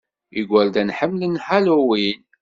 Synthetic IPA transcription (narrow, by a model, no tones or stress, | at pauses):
iɡʷːəɾd̪ænħəmːlənħaluwin